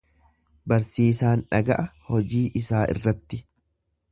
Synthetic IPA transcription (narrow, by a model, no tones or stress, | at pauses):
bɐɾsiːsaːnᶑɐɡɐʔɐhɔd͡ʒiːʔɪsaːʔɪ̰rːɐt̪ːɪ